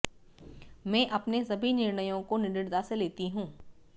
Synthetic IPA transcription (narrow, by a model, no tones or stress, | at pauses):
mɛ̃ːʔɐpnesɐbʱinɪɾnəjõkonɪɾɪɽd̪aseleːt̪iɦũː